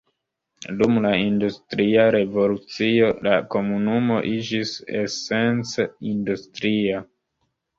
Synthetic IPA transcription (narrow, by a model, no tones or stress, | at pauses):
dumlaindustɾiaɾe̞vo̞lut͡sio̞lako̞munumo̞ʔid͡ʒisese̞nt͡seindustɾia